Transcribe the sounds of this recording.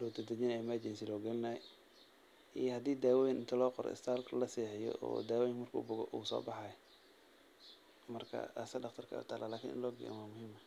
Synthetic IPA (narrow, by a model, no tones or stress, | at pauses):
lɔːd̪ɐd̪ɐd͡ʒɪnɛmad͡ʒɛnsilɔːɡɐlɪnɐj̰ | ijhɐd̪iːd̪aːwɔːjɪnʔɪnt̪ʰɐlɔːqɔɾɔ̰ɪ̰st̪ʰaːlkʰɐlɐsɛːħɪjɔ̰ɔ̰ːd̪aːwɔjɪkmɐrkʰṵːbʊɣɔʔuːsɔ̰ːbɑħɑj | mɐrkʰɐ̰ɐsɐdɑqt̪ʰɐrkʰɐ̰ʊ̰t̪ʰaːlaːlaːkʰḭnʔɪ̰nlɔːɡɪ̰ɛ̰nwamʊhiːmɐ